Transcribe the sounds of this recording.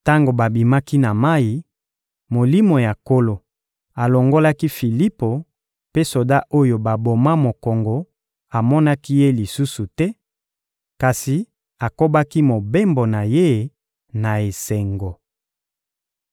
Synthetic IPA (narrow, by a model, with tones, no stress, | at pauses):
ta˦ŋɡo˨ba˨bi˨ma˦ki˦na˨ma˦ji˨ | mo˨li˦mo˨ja˨ko˦lo˨ | a˨lo˨ŋɡo˦la˦ki˦fi˨li˦po˨ | pe˦so˨da˦ʔo˦jo˨ba˨bo˨ma˦mo˨ko˨ŋɡo˨ | a˨mɔ˦na˦ki˦je˦li˨su˦su˨tɛ˦ | ka˨si˨ | a˨ko˦ba˦ki˦mo˨be˦mbo˨na˨je˦ | na˨e˨se˨ŋɡo˨